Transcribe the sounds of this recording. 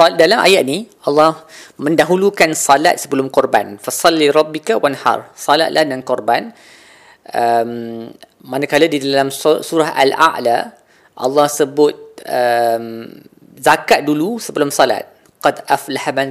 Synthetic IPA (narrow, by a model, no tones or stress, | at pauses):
dalamʔa̰jaʔ̪̚niʔɑlːɑhmə̃ndaɦulukansɑla̰t̪̚səbəlʊmkɔrbanfasˤɑlːiɾˤɑbːikawanhɑ̰rˤsɑla̰t̪̚lʔahdankɔrban | ʔəmː | anakaladidalamsuɾaɦa̰la̰ʔla | ʔɑ̰lːɑhsəbʊt̪̚əm | zakaʔ̪̚dulusəbəlʊmsɔla̰t̪̚ | qɑdʔaflahaman